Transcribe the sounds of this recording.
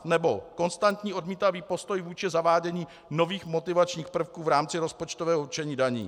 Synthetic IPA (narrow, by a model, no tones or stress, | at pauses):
nɛbo̞ko̞nst̪ant̪ɲiːo̞dmiːt̪aviːpo̞st̪o̞jvuːt͡ʃɪzavaːɟɛɲiː | no̞viːxmo̞t̪ɪvat͡ʃɲiːxpr̩fkuːvɾaːmt͡sɪɾo̞spot͡ʃt̪o̞vɛːɦout͡ʃɛɲiːdaɲḭː